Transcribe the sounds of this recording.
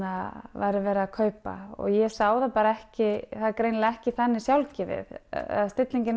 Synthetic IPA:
avajɾɪvɛːɾaakʰœːɥpa̰ɔ̰ɣjɛsaːwðapaːɾaɛhcɪθaðkɾejnlɛhcɪθanːɪsjawlcɪvɪ̰ð̰ðst̪ɪt̪liɲcɪn

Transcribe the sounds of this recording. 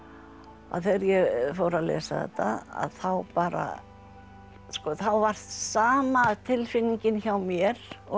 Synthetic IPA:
a̰ðθɛɾjɛɣfowɾaðlɛ̰ːsaðɛ̰t̪ːaa̰ðθawpaːɾa̰ | skɔθawvar̥t̪saːmat̪ʰɪlfɪnːiɲcɪnçawmjɛɾ̥ɔ

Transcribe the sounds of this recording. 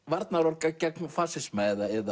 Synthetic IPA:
vaɾt̪naɾɔɾkacɛknfaːsɪsmaːjðaɛða

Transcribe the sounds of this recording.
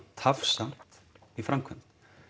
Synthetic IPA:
t̪ʰafsam̥t̪ifɾamkʰœm̥t̪

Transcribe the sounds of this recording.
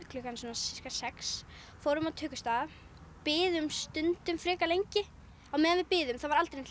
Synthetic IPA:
klʏkansɔnasɪskasɛks | fowɾʏmaðt̪ʰœːkʏst̪aːða | pɪːðʏmst̪ʏnt̪ʏmfɾɪːkalejɲcɪ | awmɛːðanvɪðpɪːðʏmθavaɾalt̪ɾɪn

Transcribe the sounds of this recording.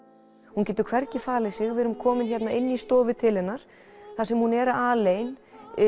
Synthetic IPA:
huncɛːt̪̬ʏɾkʰvɛɾcɪfaːlɪsɪɣvɪɛɾʏmkʰɔːmɪnçɛt̪naɪnːist̪ɔːvɪt̪ʰɪlhɛnːaɾ̥ | θasɛmhunɛːɾaaleːjn

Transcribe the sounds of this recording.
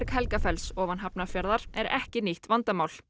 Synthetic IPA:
ɾkhɛlkafɛlsɔːvanɦapnafjaɾðaɾ̥ɛɾɛhcɪniht̪vant̪amaːwl̥

